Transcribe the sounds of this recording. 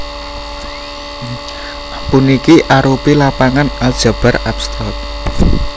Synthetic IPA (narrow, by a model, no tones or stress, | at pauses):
punikiʔaɾupilapaŋanald̥ʒ̥a̤b̥a̤ɾapst̪ɔt̪̚